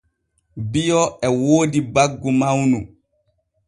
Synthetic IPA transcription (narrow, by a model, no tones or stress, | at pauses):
bijɔɛwoːdibaɡːumawnu